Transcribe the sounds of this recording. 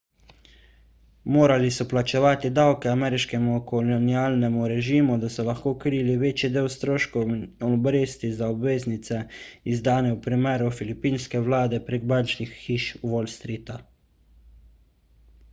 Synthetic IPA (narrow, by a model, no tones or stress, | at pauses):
moːɾalisɔplat͡ʃɛʋaːt̪id̪awkɛamɛːɾiʃkɛmukɔlɔniaːlnɛmuɾɛʒiːmud̪asɔlaxkoːkɾiːliʋeːt͡ʃid̪eːwst̪ɾoːʃkɔɔbɾeːst̪izaɔbʋeːznit̪sɛizd̪aːnɛwpɾimɛːɾufilipiːnskɛʋlaːd̪ɛpɾeɡ̚bant͡ʃnixːiːʃwolst̪ɾiːt̪a